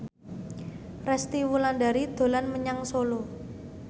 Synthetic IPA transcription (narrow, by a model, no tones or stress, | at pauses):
rɛst̪iwulanɖaɾid̪̥o̤lanməɲaŋsolo